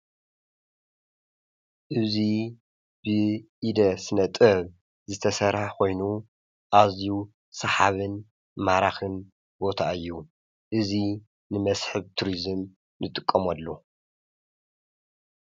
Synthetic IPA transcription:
ʔɨzi | b̥ɨʔid̪ɐsɨnɐt̪ʼɐβ | zɨt̪ʰɐsɐɾaħkʰo̞jnu | ʔazju | sɐħaβɨn | maɾaxɨn | bo̞t̪ʰaɨjːu | ʔɨzi | nɨmɐsħɨβt̪ʰuɾizɨm | nɨt̪ʼɨkʼːɐmɐlːu

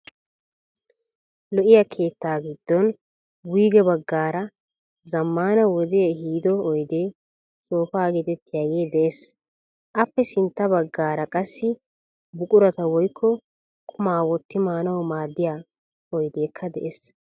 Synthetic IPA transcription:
lɔʔɪjakʰe̞ːt̪ːaːɡɪd̪̥ːɔn | wiːɡɛbɐɡːaːɾɐ | zɐmːaːnɐwɔd̪ɦiːd̪ɔɔjd̪eː | sʼoːfaːɡɛt̪ɛt̪ːɪjaːɡeːd̪ɛʔes | ʔɐpːɛsɪnt̪ːɐbɐɡːaːɾɐkʼɐsːɪ | bʊkʼʊɾɐt̪ɐwɔjkʰːɔ | kʰʊmaːwɔt̪ːɪmaːnɐwmaːd̪ːɪjaː | ɔjd̪e̞ːkʰːɐd̪ɛʔes

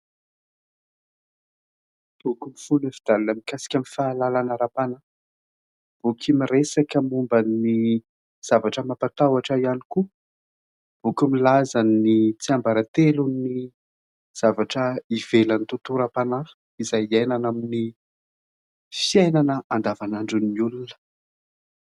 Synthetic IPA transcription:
b̥ukumifunefid̪alunamikasi̥kʲamifaːlalanəɾapana | b̥ukʰimiresakəmumbani | z̥avaʈ͡ʂəmapat̪awaʈ͡ʂəianiku | b̥ukumilazanit͡siambaɾat̪eluni | z̥avaʈ͡ʂəivelanit̪ut̪uɾapana | izajiajnanamini | fiajnanəʔand̪avanaɳɖ͡ʐunːiulunə̥

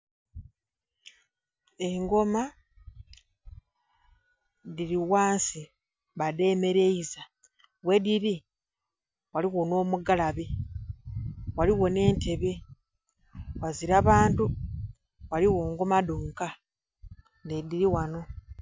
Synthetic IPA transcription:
eŋɡo̞ma | diɾiwaːnsi | βade̞me̞ɾe̞iza | wediɾi | waliɣono̞ːmuɡalaβe | waliɣo̞ne̞ːnte̞βe | waziɾaβaːntu | waliwo̞ːŋɡo̞maduːŋka | nediɾiwano̞

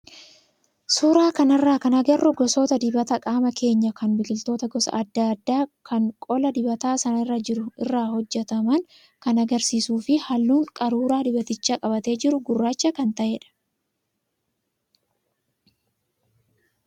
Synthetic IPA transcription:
suːɾaːkɐnɪrːaːkɐnɐɡɐrːʊɡɔsoːt̪ɐd̪ɪbɐt̪ɐkʼaːmɐkʰe̞ːɲːɐkɐnbɪɡɪlt̪o̞ːt̪ɐɡɔsɐ̰ʔɐd̪ːɐɐd̪ːaːkʰɐŋkʼɔlɐd̪ɪbɐt̪aːsɐnɐrːɐd͡ʒɪɾʊɪ̰rːaːhɔd͡ʒːɛt̪ɐmɐŋ | kɐnɐɡɐɾsiːsuːfɪhɐlːuːŋkʼɐɾuːɾaːd̪ɪbɐt̪ɪt͡ʃːaːkʼɐbɐt̪e̞ːd͡ʒɪɾʊɡʊrːaːt͡ʃːɐkɐnt̪ɐʔeːᶑɐ̥

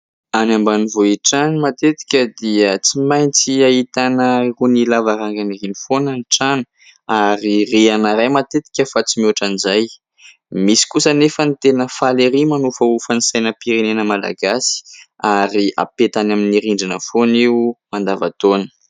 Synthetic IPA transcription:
anambanivoiʈ͡ʂanimat̪et̪i̥kʲəd̪iət͡simajnt͡siaɦit̪anərunilavaɾaŋɡaniɾinifonaniʈ͡ʂanu̥ | aɾireanaɾajmat̪et̪i̥kʲəfat͡simuaʈ͡ʂanizaj | misi̥kusənefənit̪enəfaleɾimanufəufənisajnəpiɾenenəmala̰ɡasi̥aɾiʔa̰pet̪anaminiɾiɳɖ͡ʐanə̰foniumand̪ava̰t̪onə̥

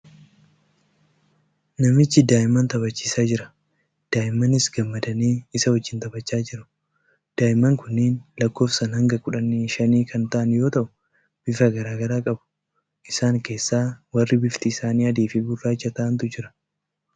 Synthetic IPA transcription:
nɐmɪt͡ʃːɪd̪aːʔɪmːɐnt̪ɐβɐt͡ʃːi̥ːsaːd͡ʒɪɾɐ | d̪̥aːʔɪmːɐnɪsɡɐmːɐd̪ɐniːɪsɐwɐd͡ʒːɪnt̪ɐbɐt͡ʃːaːd͡ʒɪɾʊ̥ | d̪̥aːʔɪmːɐŋkʊnːɪːnlɐkːo̞ːfsɐnhɐŋɡɐkʊᶑɐnːiʃɐniːkʰɐnt̪ɐʔɐnjo̞ːt̪ɐʔʊ | b̥ɪfɐɡɐɾaːɡɐɾaːkʼɐbʊ̥ | ʔɪsaːŋke̞ːsːaːwɐrːɪbɪft̪ɪɪsaːniːɐd̪eːfɪɡʊrːaːɪt͡ʃːɐt̪aːʔɐnt̪ʊd͡ʒɪɾɐ̥

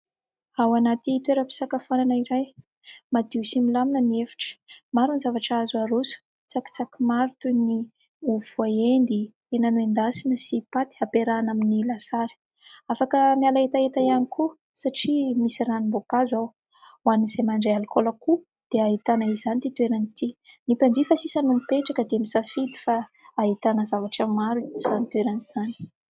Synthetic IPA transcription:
awanat̪it̪weɾəpi̥sakafananəiɾaj | mad̪iusimilaminəmiefi̥ʈ͡ʂə̥maɾunizavaʈ͡ʂazaɾusu̥ | t͡saki̥t͡sakimaɾit̪uni | uvaend̪i | enanuend̪asinəsipat̪i̥apeɾanaminilasaɾi̥ | afakəmialaet̪aet̪ajanikʰu | saʈ͡ʂimisiɾanimbopazaw | waniz̥ajmaɳɖ͡ʐealkolaku | d̪̥eaɦit̪anaizanit̪it̪ueɾanit̪inipand͡zifasisanumipeʈ͡ʂakəd̪emisafid̪i̥faː | ɦit̪anəzavaʈ͡ʂamːaɾuiz̥anit̪weɾaniz̥ani̥

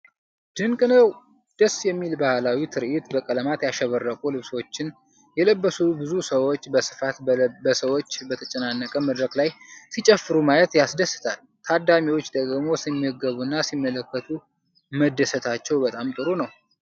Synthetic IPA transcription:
d̪̥ɨŋkʼɨnəw | d̪̥əsjɛmːilbahlawit̪ʰɨɾʔit̪bəkʼələmat̪jaʃɛβərːəkʼulɨβswot͡ʃːɪn | jɛləbːəsubɨzusəwo̞t͡ʃːbəsɨ̥fat̪bəsəwo̞t͡ʃːbət̪ʰət͡ʃʼɛənanːəkʼəməd̪ɾəklajsit͡ʃʼɛfːɨɾumajət̪jasd̪əsːɨ̥t̪ʰal | t̪ʰad̪amiwo̞t͡ʃːd̪əɡmo̞simːəɡəβunːasimːələkːət̪ʰu | məd̪ːəsət̪ʰat͡ʃːɛwbət̪ʼamt̪ʼɨɾunəw

